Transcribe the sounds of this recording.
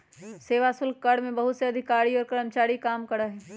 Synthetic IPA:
seːʋasʊlkːɐɽmẽbɐɦʊt̪seɐd̪ʱɪkaːɾiɔːɾkɐɾəmt͡ʃaːɾikaːmkɐɽaɦɛː

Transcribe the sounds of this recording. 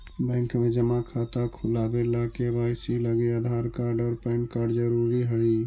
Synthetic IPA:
bɛ̃ŋkmẽd͡ʒəmakʰat̪akʰʊlabelakebaɪsiləɡiad̪ʱaɾkaɾɖɔːɾpɛnkaɾɖd͡ʒəɾuɾiɦəi

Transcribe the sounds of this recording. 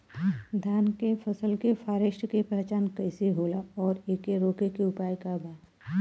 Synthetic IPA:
d̪ʱjaːnkefʰɐsəlkefʰaːɾeːʃʈkepɛɦt͡ʃaːnkɐɪseɦoːlaɔːɾeːkeɾoːkekiʊpaːjkabaː

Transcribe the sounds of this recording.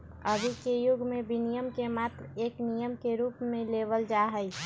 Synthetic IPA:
əbʱikejʊɡʱmẽbinijəmkemaːt̪ɾeːknijəmkeɾuːpmẽleʋəld͡ʒaɦəi

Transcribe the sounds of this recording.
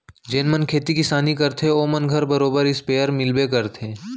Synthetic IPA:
d͡ʒeːnmɐnkʰeːt̪ikɪsaːnikɐɾt̪ʰeoːmɐnɡʱɐɾbɐɾoːbəɾɪspeːəɾmɪlbek̬ɐɾt̪ʰẽː

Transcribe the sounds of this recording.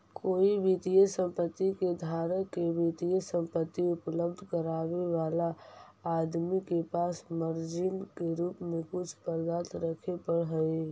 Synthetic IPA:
koːibʱit̪ijəsə̃mpət̪ːiked̪ʱaːɾəkebit̪ijəsə̃mpət̪ːiʊpləbd̪ʱkəɾaːʋeʋaːlaː | d̪mikepaːsməɾd͡ʒɪnkeɾuːpmẽkʊt͡ʃʰpəɾd̪aːt̪ɾəkʰepəɽɦɛe

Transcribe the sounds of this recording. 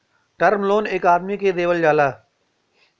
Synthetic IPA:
ʈəɾmloːneːkaːd̪miked̪eːʋəld͡ʒaːlaː

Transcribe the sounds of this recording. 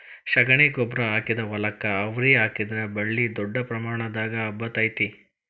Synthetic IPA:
ʃɐɡɐɳeːɡoːbɾɐaːkid̪ɐʋɐlɐkːɐːʋɾiaːkid̪ɐɾɐbɐɭːid̪ɔɖːɐpɾɐmaːɳɐd̪aːɡɐːbːɐt̪ɐjt̪i

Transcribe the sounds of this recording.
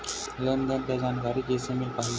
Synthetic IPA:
lənd̪ənt̪jad͡ʑankaɾikesemepaɦi

